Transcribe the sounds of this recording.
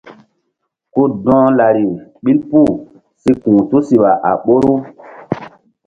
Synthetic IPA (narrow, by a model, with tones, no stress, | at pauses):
ku˦dɔ̃ː˦la˨ɾi˨ɓi˦lpu˦˨ | si˦kũː˨tu˦si˨ɓa˨ʔa̰˨ɓo˦ɾu˦